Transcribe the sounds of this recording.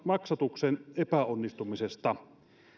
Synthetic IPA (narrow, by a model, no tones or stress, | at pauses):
mɑksɑt̪uksenepæonːist̪umisest̪ɑ